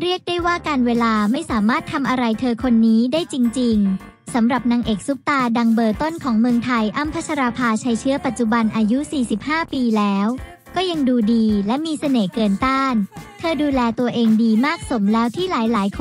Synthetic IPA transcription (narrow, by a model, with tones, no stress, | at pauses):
ɾi˥˩ək̚daː˥˩jwaː˥˩kaː˧nweː˧laː˧ma˥˩jsaː˩˦maː˥˩t̪ʰːa˧mʔa˧ɾa˧jt̪ʰɤː˧kʰo˧nːiː˦˥daː˥˩jt͡ɕi˧ŋt͡ɕi˧ŋ | sa˩˦mɾa˨˩p̚naː˧ŋʔeː˨˩k̚su˦˥p̚t̪aː˧da˧ŋbɤː˧˩t̪o˥˩nkʰɔː˩˦ŋmɯ˧əŋt̪ʰa˧jʔa˥˩mpʰa˦˥t͡ɕʰa˧ɾaː˧pʰaː˧t͡ɕʰa˦˧˥jt͡ɕʰɯ˦˥əpa˨˩t̪̚t͡ɕu˨˩ba˧nʔaː˧ju˦˥siː˨˩si˨˩p̚haː˥˩piː˧lɛː˦˥w | kɔː˥˩ja˧ŋduː˧diː˧lɛ˦˥miː˧sa˧neː˩kɤː˧nt̪aː˥˩nt̪ʰɤː˧duː˧lɛː˧t̪u˧ɐʔeː˧ŋdiː˧maː˥˩k̚so˩˦mlɛː˦˥wt̪ʰiː˥˩laː˩˦jlaː˩˦jkʰ